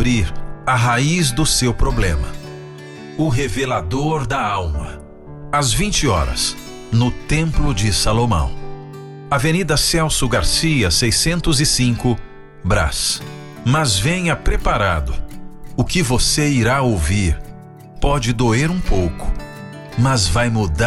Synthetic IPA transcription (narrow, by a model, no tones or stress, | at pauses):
bɾiɾɐɦaizd̪ʊsewpɾoblẽmɐ̰ | ʊɦevelad̪oɾd̪ɐawmɐ | ɐzvĩnt͡ʃɪɔ̰ɾɐ̰s | nʊt̪ẽmplʊd͡ʒɪsalomɐ̰̃w̃ | ɐvenid̪ɐsɛwsʊɡaɾsiɐsejsẽnt̪ʊzɪsĩŋkʊ | bɾa̰s | mɐzvẽj̃ɐpɾepaɾa̰d̪ʊʊkɪvoseiɾaowviɾ | pɔd͡ʒɪd̪oeɾũpowkʊ̥ | mɐzvajmud̪a